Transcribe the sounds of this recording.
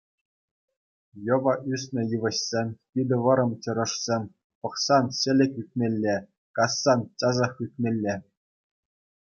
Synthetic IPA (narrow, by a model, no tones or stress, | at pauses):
jɤ̆ʋɑʔysʲnʲɘ̆jɯʋɤ̆ɕsʲemʲpʲid̪ʲɘ̆ʋɤ̆ɾɤ̆mt͡ɕɤ̆ɾɤ̆ʂsʲemʲ | pɤ̆χsɑnɕɘ̆lʲɘ̆kʲyk̚ʲmʲelʲːe | kɑsːɑnt͡ɕɑzɑχykʲmʲelʲːe